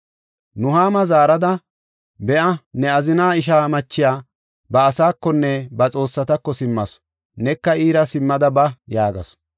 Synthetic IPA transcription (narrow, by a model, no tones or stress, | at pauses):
nʊɦaːmɐzaːɾɐd̪ɐ | bɛʔɐnɛɐzɪnaːɪʃ̬aːmɐt͡ʃːɪjaː | bɐːsaːkːɔnːɛbɐt͡sʼo̞ːsːɐt̪ɐkːɔsɪmːɐs | nɛkːɐiːɾɐsɪmːɐd̪ɐbɐjaːɡɐ̰s